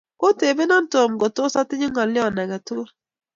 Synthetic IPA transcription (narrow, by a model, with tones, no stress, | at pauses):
ko˦te˨be˦nɔ˦n˦to˨mɡɔ˨to˦sa˦tɪ˦ɲɪ˦ŋa˨lɪ˦ɔ˦˨na˨ɡa˨tu˦o˦